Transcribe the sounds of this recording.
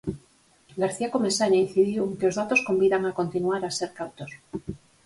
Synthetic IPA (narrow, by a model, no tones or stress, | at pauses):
ɡaɾθiako̞mesanainθiðjuweŋkeo̞zðat̪o̞sko̞mbiðaŋako̞nt̪inuaɾaseɾkawt̪os